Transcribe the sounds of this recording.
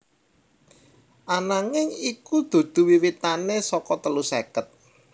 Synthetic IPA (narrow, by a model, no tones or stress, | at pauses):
ʔanaŋɪŋikud̪̥o̤d̪̥ṳwiwit̪anesɔkɔt̪əlusɛkət̪̚